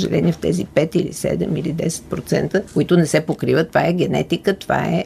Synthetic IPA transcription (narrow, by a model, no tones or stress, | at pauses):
ʒɛ̰lʲʔɛniɛft̪ɛ̰zipɛt̪ilḭsɛ̰d̪ɛmilid̪ɛsɛ̥t̪̚pɾot̪sɛnt̪əkoit̪ʊnɛsɛpokɾivət̪ːovaɛɡɛnɛ̰t̪ikət̪ova̰ɛ̰